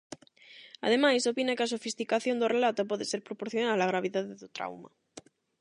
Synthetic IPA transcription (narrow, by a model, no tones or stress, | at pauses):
a̰ð̞emajsopinakeasofist̪ikaθjo̞nd̪orelat̪op̬oðeseɾpɾopoɾθjonaðalaɣ̞ɾaβ̞iðaðeðot̪ɾa̰wma̰